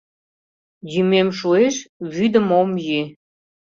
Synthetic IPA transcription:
jymemʃueʃβyd̪əmomje

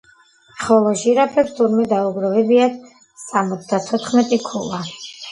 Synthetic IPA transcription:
χɔlˠɔʒiɾapʰɛɾt̪ʰuɾmɛd̪auɡɾɔvɛbiat̪ | samɔt̪sʰd̪at̪ʰɔt̪ʰχmɛt̪ʼikʰula

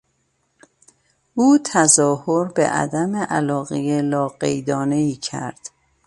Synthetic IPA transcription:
uːt̪ʰæzɒːhoɾbḛʔæ̰d̪æmeʔæ̰lɒːɣejelɒːɢejd̪ɒːneiːcʰæ̰ɾd̪̥

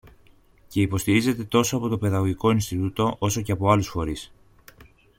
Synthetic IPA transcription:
ce̞ipo̞st̪iɾize̞t̪e̞t̪o̞soɐpo̞t̪o̞pe̞ðɐɣo̞ʝiko̞inst̪it̪ut̪o̞ʔo̞so̞ce̞ɐpo̞ɐlusfo̞ɾis

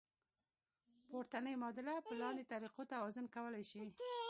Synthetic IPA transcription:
poɾt̪anəjmɑd̪ɪlapəlɑnd̪et̪aɾiqot̪awɑzʊnkawəlajʃi

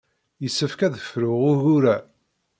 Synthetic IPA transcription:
jəsːəfkæðəfɾʊʁʊʝuɾæ

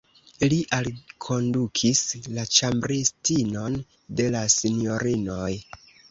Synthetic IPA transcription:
liʔalkʰo̞ndukʰislat͡ʃambɾistino̞n | de̞lasinjo̞ɾino̞j

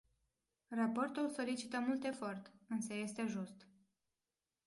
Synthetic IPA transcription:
rapo̞rt̪ulso̞lit͡ʃit̪əmult̪e̞fo̞rt̪ɨnsəje̞st̪e̞ʒust̪

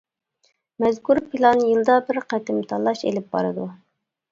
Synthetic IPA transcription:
mɛzkuɾpʰilˠɑnjɨlˠd̪ɑbɪɾqæt̪ɪmt̪ʰɑlˠɑʃḛlɪp̚bɑ̰ɾɨd̪u

